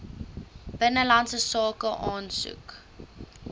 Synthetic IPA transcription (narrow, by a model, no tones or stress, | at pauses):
b̥ənəlɐntsəsɑːkəʔɑːnsṵk